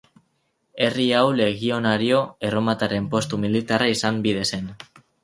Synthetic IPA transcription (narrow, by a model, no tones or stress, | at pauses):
e̞riawle̞ɣio̞naɾio̞e̞ro̞mat̪aɾe̞mpo̞st̪umilit̪araisambiðe̞se̞n